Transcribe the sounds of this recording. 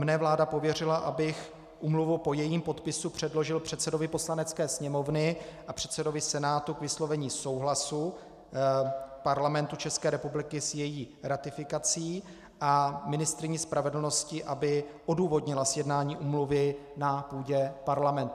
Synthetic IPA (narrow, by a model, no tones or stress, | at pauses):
mnɛvlaːdapo̞vjɛr̝ɪlaʔabɪx | ʔuːmluvupo̞jɛjiːmpo̞t̪pɪsupr̝̥ɛdlo̞ʒɪlpr̝̥ɛt̪sɛdo̞vɪpo̞slanɛt̪t͡skɛːsɲɛmo̞vnɪʔapr̥ɛt̪sɛdo̞vɪsɛnaːt̪ukvɪslo̞vɛɲiːso̞wɦlasu | paɾlamɛnt̪ut͡ʃɛskɛːɾɛpublɪkɪsjɛjiːɾat̪ɪfɪkat͡siː | ʔamɪnɪst̪ɾɪɲiːspɾʔavɛdl̩no̞scɪʔabɪʔo̞duːvo̞dɲɪlasjɛdnaːɲiːʔuːmluvɪnapuːɟɛpaɾlamɛnt̪u